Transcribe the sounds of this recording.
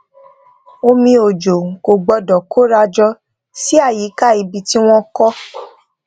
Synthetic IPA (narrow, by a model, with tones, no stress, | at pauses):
o˧mĩ˧o˨d͡ʒo˨ko˨ɡ͡bɔ˧dɔ˨kʰo˦ɾa˧d͡ʒɔ˧ | si˦a˦˨ji˨˦ka˦˨i˧bi˧ti˦w̃ɔ̃˦kɔ˦